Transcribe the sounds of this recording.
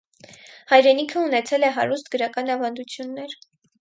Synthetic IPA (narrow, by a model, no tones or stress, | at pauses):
hɑjɾɛnikʰəunɛt͡sʰɛlɛɦɑ̰ɾust̪ɡəɾɑkɑnɑvɑnd̪ut͡sʰjunːɛɾ